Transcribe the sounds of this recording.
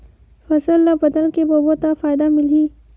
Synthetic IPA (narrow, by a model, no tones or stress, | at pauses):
fɐzəlːabɐd̪əlkebobot̪afaːɪd̪amɪliː